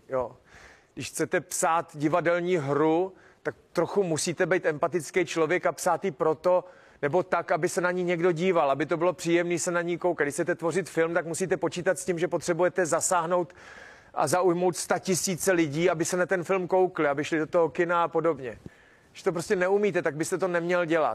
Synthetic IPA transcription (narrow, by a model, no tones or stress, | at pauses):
joː | dɪʃxt͡sɛt̪ɛpsaːt̪ɟɪvadɛlɲiːɦɾu | t̪akt̪ɾo̞xumusiːt̪ɛbɛjt̪ɛmpat̪ɪt͡skejt͡ʃlo̞vjɛkapsaːt̪jɪpɾo̞t̪o̞ | nɛbo̞t̪akabɪsɛnaɲiːɲɛɡdo̞ɟiːvalabɪt̪obɪlo̞pr̥iːjɛmniːsɛnaɲiːkowkadɪʃxt͡sɛt̪ɛt̪vo̞rɪt̪fɪlmt̪akmusiːt̪ɛpo̞t͡ʃiːt̪at̪scimʒɛpo̞t̪r̥ɛbujɛt̪ɛzasaːɦno̞wt̪ | ʔa̰zaujmowt̪st̪acɪsiːt͡sɛlɪɟiːabɪsɛnat̪ɛnfɪlmko̞wklɪabɪʃlɪdo̞t̪oɦokɪnaapo̞do̞bɲɛ | ɡɪʃt̪o̞p̬ɾo̞scɛnɛumiːt̪ɛt̪aɡ̚bɪst̪ɛt̪onɛmɲɛlɟɛla̰t̪